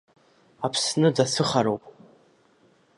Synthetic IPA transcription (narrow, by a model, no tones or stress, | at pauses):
apʰsnɨd͡zasɨχaɾowpʼ